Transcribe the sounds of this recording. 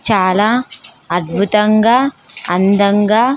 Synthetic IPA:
t͡ʃaːlɐ | ɐd̪̚bʱut̪ɐŋɡɐɐnd̪ɐŋɡɐ

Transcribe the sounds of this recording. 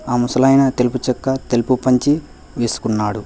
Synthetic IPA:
aːmusɐlɐjnɐt̪eluput͡ʃɐkːɐt̪elpupɐɲt͡ʃi | ʋeːsu̥kunːaːɽu

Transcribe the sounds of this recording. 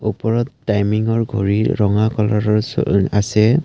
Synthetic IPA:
upɔɹɔtːajmiŋɔɹɡʱo̰ɹiːɔŋakɔlɔɹɔɹ̰asɛ

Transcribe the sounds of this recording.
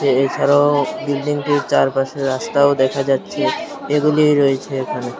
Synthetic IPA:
eet͡ɕʰaɾaobilɖiŋʈiɾt͡ɕaɾpaʃeast̪aod̪ɛkʰad͡ʑatːɕʰe | eɡulijɾoet͡ɕʰeekʰane

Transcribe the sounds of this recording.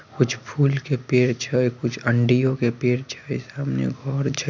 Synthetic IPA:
kʊt͡ʃʰpʰuːlkepeːɾt͡ʃʰɛkʊt͡ʃʰəɳɖijõkepeːɾt͡ʃʰəsaːmnḛɡʱɔːɾt͡ʃʰə

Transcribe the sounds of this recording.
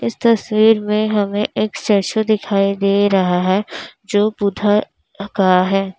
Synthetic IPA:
ɪst̪ɐswiːɾmẽɦɐmẽʔeːkt͡ʃɐɾʃod̪ɪkʰaːid̪eːɾɐɦaɦɛd͡ʒoːpʊd̪ʱa | kaɦɛː

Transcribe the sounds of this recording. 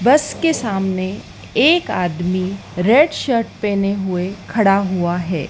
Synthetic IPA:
bɐskesaːmne | eːkaːd̪miɾeːɖʃəɾʈ̚pɛ̃ːneɦʊekʰɐɽaɦʊaɦɛ̰ː

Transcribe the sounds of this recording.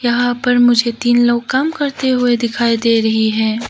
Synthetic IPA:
jɐɦãpɐɾmʊd͡ʒʱet̪iːnloːkaːmkɐɾt̪eɦʊed̪ɪkʰaːid̪eːɾɐɦiɦɛ̃ː

